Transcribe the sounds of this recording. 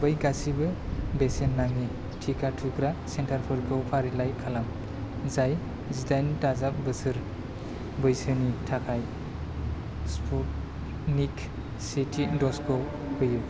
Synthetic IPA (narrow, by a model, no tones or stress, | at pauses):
bɯjɡasibɯbesenːaŋi | tʰikʰatʰukɾasentʰaɾpʰɯɾɡowpʰaɾilajkʰalam | zaj | zidajntazap̚bɯsɯɾ | bɯjsɯnitʰakʰaj | spʰɔt̚ | nik | sitʰidɔskɔw | hɯjɯ